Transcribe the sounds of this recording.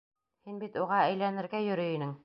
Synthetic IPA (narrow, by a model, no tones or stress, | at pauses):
hinbit̪uʁɑæjlænɘ̆ɾɡæjɵ̆ɾɵinɘŋ